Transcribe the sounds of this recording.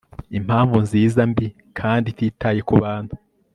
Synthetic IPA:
im̥haːɱvunziːzambi | kʰaːnditiːtʰaje̞kuβaːn̥hu

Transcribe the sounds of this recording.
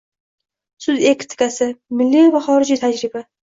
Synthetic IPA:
sʊzekʲt̪ʰɪ̥kʲasɪmɪlːivaχɒɾɪd͡ʒit̪ʰad͡ʒɾɪba

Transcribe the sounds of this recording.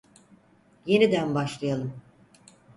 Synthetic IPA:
je̞nid̪ænbaʃlˠɯjalˠɯm

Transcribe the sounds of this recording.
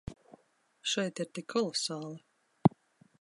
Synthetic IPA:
ʃɛjt̪iɾt̪ʲikʰːɔlˠɔsaːlˠɨ

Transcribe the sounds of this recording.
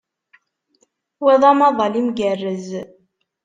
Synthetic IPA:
wɛðˤɑmɑðˤɑlimɡərːəz

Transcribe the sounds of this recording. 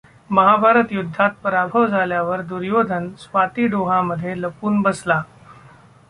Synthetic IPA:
məɦabʱaɾət̪jud̪ʱːat̪̚pəɾabʱəʋd͡zʱaljaʋəɾd̪uɾjod̪ʱənsʋat̪iːɖoɦaməd̪ʱːjeləpuːnbəsla

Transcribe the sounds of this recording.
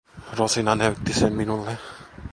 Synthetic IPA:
ɾɔsinanɛwt̪ːiseminulːe

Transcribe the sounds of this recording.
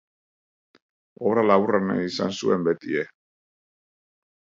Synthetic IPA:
oβɾalaβurana̰isa̰nsue̞mbe̞t̪ie

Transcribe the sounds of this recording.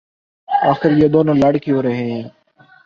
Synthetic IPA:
aːxɪɾjeːd̪oːnõːlaːɽkɪjoːɾəɦẽː

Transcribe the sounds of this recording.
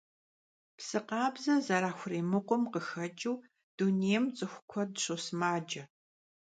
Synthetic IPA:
psɨqɑːbzɐzɐɾaːxʷʊriːmɨqʷʊmqəxɐd͡ʒʼɪw | d̥uneːjmt͡sʼɨxʷʊkʷʰɔdɨɕʼosmaːd͡ʒɐ

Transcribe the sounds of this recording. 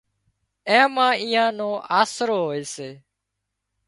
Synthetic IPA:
ɛ̃ːmãːiːãːnõːʔaːsɾoːɦoːeːseː

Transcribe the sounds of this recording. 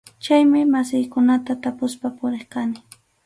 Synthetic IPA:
t͡ʃajmɪmasɪjkʊnat̪at̪apʊspapʊɾeχkanɪ

